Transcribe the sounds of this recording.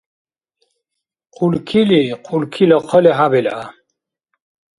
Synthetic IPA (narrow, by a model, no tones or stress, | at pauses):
qʰulkʰiliqʰulkʰilɔqʰɔlɛɦabɛla